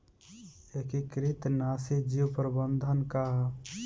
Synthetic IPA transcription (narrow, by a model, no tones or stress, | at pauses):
ekikɾit̪nasid͡ʒiwpɾəbənd̪ʱənkaɦ